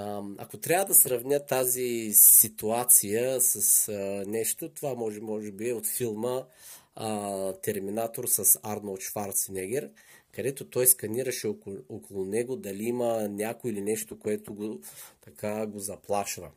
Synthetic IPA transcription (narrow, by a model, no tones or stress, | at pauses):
ɐ̰kot̪ɾʲavəd̪ɐsɾɐvnʲət̪ːazisit̪uat̪sijəsɐsnɛʃt̪ot̪ovamɔʒɛmɔʒɛbiɛot̪filˠmə | t̪ɛɾminat̪oɾsɐsaɾnolˠʃfaɾt̪snɛɡɛɾ | kɐd̪ɛt̪ot̪ɔjskɐniɾɐʃɛookolˠʊnɛɡod̪ɐliimənʲakoilinɛʃt̪okoɛt̪oɡot̪ɐkʰaɡozɐplˠaʃvə̰